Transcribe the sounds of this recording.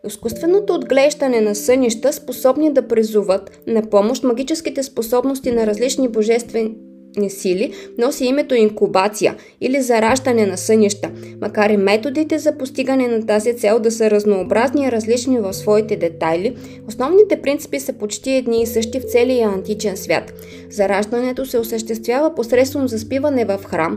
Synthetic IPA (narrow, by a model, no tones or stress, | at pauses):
iskust̪vɛnot̪oːd̪ɡlɛʒd̪ɐnɛnɐsɤniʃt̪əsposɔbnid̪ɐpɾizuvɤt̪nɐpɔmoʃt̪mɐɡʲit͡ʃɛskit̪ɛsposɔbnost̪inɐɾɐzlit͡ʃniboʒɛst̪vɛ | nisilinɔsiimɛt̪oiŋkubat̪sijə̰ | ilizɐɾaʒd̪ɐnɛnɐsɤniʃt̪əmʔɐkaɾimɛt̪od̪it̪ɛzɐpost̪iɡənɛnɐt̪azit̪sɛlˠd̪ɐsɤɾɐznoːbɾazniːɾɐzlit͡ʃnivɐfsvɔit̪ɛd̪ɛt̪ajli | osnɔvnit̪ɛpɾint̪si̥pisəpot͡ʃt̪iɛd̪niːsɤʃt̪ift̪sɛliɐɐnt̪it͡ʃɛnsvʲja̰t̪ | zɐɾaʒd̪ɐnɛt̪osɛosəʃt̪ɛst̪vʲjavəposɾɛt̪svonozɐspivɐnɛvɐfxɾam